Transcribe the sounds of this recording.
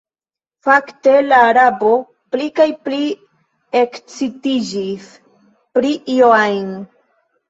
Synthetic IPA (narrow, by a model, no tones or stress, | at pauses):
fakte̞laːɾabo̞ | plikajpli | ekt͡sitid͡ʒis | pɾiʔioajn